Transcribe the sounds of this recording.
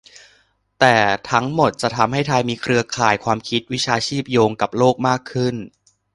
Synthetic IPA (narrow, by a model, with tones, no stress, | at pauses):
t̪ɛː˨˩t̪ʰa˦˥ŋmo˨˩t̪̚t͡ɕa˨˩t̪ʰa˧mɦa˥˩jt̪ʰa˧jmiː˧kʰɾɯ˧ɐkʰaː˨˩jkʰwaː˧mkʰi˦˥t̪̚wi˦˥t͡ɕʰaː˧t͡ɕʰiː˥˩p̚joː˧ŋka˨˩p̚loː˥˩k̚maː˥˩kʰːɯ˥˩n